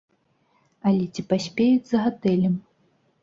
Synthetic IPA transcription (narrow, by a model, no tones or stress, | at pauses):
ɐlʲɛt͡sʲipasʲpʲejud͡zʲzɐɣat̪ɛlʲɛm